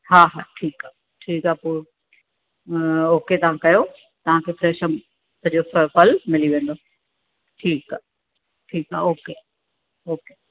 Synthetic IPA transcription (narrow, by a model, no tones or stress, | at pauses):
ɦaːɦaːʈʰiːkaː | ʈʰiːkɦapoː | oːket̪ɐʋ̤ãkɐjo | t̪ɐʋ̤ãkʰeːfɾeːʃəm | sɐ̃d͡ʑoffɐlmɪliʋẽːnd̪oː | ʈʰiːkaː | ʈʰiːkɦa̰oːke | oːke